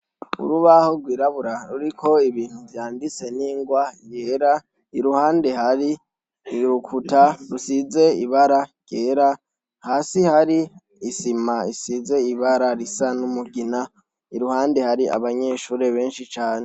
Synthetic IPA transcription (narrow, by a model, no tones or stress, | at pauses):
ṵɾuβahoɾɡwiːɾaβuɾaɾuɾikʰo̞iβiːn̥huvjaːndit͡se̞niːŋɡwajeːɾa | iɾuhaːnde̞haɾi | ɾukʰutaɾusize̞iβaɾaɟ̥eːɾa | haːsihaɾiː | simaisize̞iβaɾaɾisanumuɡina | iɾuhaːnde̞haɾiʔa̰βaɲeːʃuːɾe̞βe̞ːnʃit͡ʃaːne